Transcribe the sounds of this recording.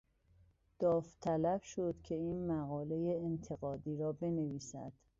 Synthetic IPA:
d̪̥ɒːft̪ʰælæb̥ʃod̪̥cʰe̞iːnmæɣɒːle̞jeːnt̪ʰeɣɒːd̪iːɾɒːbe̞ne̞viːsæ̰d̪̥

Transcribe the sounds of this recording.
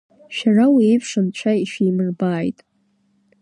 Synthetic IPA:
ʃᶣarawiːpʰʂɨnt͡ʃʷʰaiʃijmɨrbaːjtʼ

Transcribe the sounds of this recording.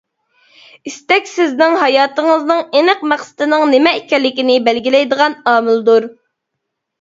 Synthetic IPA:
ist̪ɛkʲsɪznɪŋɦɑjɑːt̪əŋəznɨŋenəqmæχsɪ̥t̪ɨnɨŋnɪmɛikʲɛlːɪkʲinɪbælɡʲilɛjd̪əʁɑnɑːmɪld̪uɾ

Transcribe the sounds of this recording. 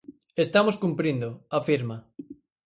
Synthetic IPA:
est̪amoskumpɾind̪oafiɾma

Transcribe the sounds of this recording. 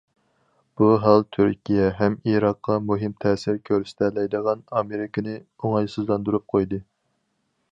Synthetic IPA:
b̥uɦɑlˠt̪ʰyɾkʲʰijɛɦɛmiɾɑqːɑmuɦɪmt̪ʰɛːsɪɾkʲʰøɾst̪ʰɛlɛjd̪əʁɑnɑmeɾɪkʲʰɪnɪ | oŋɑjsɨzlˠɑnd̪uɾup̚qʰojd̪ɨ

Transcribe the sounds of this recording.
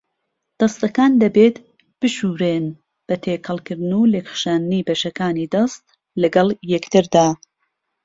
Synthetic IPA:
d̪̥ɐst̪ɐkaːnd̪ɐbeːt̪ | b̥ɨʃuːɾeːn | b̥ɐt̪ʰeːkʰɐlˠkɨɾd̪nulekχʃaːnniːbɐʃɐkaːniːd̪ɐst̪ | lɐɡɐlˠjɛkt̪ɨɾd̪aː

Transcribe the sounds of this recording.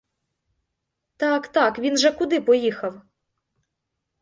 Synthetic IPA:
t̪ɑkt̪ɑkʋʲinʒɛkʊd̪ɪpɔjixɐw

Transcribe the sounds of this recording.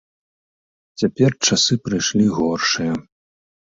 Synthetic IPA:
t͡sʲapʲɛrt͡ʂasɨpɾɨjʂlʲiɣɔrʂɨjɐ

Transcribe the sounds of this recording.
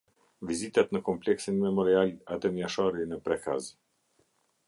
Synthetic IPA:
vizit̪at̪nəkɔmplɛksinmɛmɔɾialad̪ɛmjaʃɔɾinəpɾɛka̰z

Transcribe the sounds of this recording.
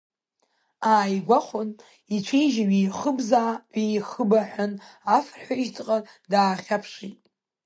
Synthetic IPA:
aːjɡʷaχʷʊn | it͡ʃʷʰejʒaɥiːχəbzaːʕijχəbaħʷᶣʊnafrħʷaiʒtʰʼqʼa | daːχʲapʰʂitʼ

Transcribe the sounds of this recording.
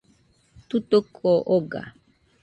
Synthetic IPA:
t̪ut̪okʰoʔoɡa̰

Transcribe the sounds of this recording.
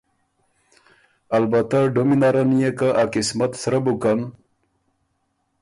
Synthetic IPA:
albat̪aɖominaɾanijekaʔakismat̪sɾabukan

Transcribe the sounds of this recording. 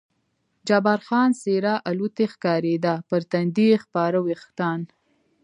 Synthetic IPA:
d͡ʒɑbɑɾxɑːnseɾɑʔalut̪exkɑːɾed̪apəɾt̪and̪ixpɑɾawext̪ɑːn

